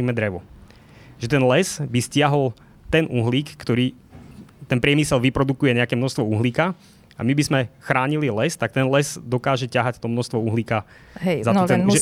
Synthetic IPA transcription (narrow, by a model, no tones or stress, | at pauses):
iːmɛd̪ɾɛʋɔ | ʒɛt̪ɛnlɛzbiscɪaɦɔl | t̪ɛnʔuɦliːkːt̪ɔɾiː | t̪ɛnpɾɪɛmisɛlʋipɾɔd̪ukujɛɲɛakɛmnɔst̪ʋɔuɦliːka | a̰mibizmɛxɾaːɲililɛst̪ak̚t̪ɛnlɛzd̪ɔkaːʒɛcaɦact̪ɔmnɔʃst̪ʋɔuɦliːka | ɦzat̪ɔt̪ɛnʒɛ